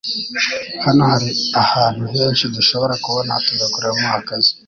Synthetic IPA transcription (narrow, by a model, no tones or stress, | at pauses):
hanohaɾiahaːn̥huɦeːnʃiduʃo̞βo̞ɾakuβonatuɡakuɾamuhakazi̥